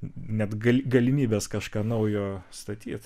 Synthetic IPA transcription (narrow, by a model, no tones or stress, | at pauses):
nʲɛt̪ɡɐlʲɡɐlʲɪmʲiːbʲeːskɑʃkɑːnɐʊjoːst̪ɐt̪ʲḭːt̪